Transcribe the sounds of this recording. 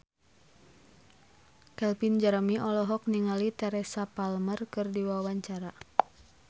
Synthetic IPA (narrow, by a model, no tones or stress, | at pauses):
kɛlpind͡ʒaɾəmiʔɔlɔɦɔk̚niŋalit̪ɛɾɛsapalmərkɨrdiwawaɲt͡ʃaɾa